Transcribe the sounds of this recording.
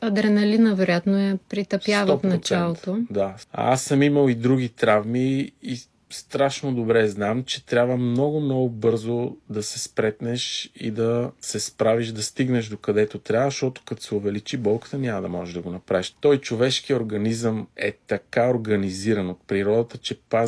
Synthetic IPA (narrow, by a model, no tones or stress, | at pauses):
ɐd̪ɾɛnɐlinɐvɛɾojat̪noɛpɾit̪ɐpjavɔp̪mot̪t͡ʃ̪ɛalˠot̪t̪od̪a̰a̰sːəmiməlˠid̪ɾuɡit̪ɾavmiː | st̪ɾaʃnod̪obɾɛznamt͡ʃɛt̪ɾʲabvəmnɔɡʊmnɔɡʊbɤɾzod̪ɐsɛspɾɛt̪nɛʃḭd̪ɐsɛspɾaviʃd̪ɐst̪iɡnɛʃd̪okɐd̪ɛt̪ot̪ɾʲavʃt̪ɔt̪ʊ̥kɐt̪o̥sɛʊvɛlit͡ʃibɔlˠkə̥t̪ənʲamɐd̪ɐmɔʒɛʒd̪ɐɡonɐpɾaviʃt̪ɔjt͡ʃovɛʃkijoɾɡɐnizəmɛt̪ɐkaoɾɡɐniziɾənot̪̚pɾiɾɔd̪ət̪ət͡ʃɛpa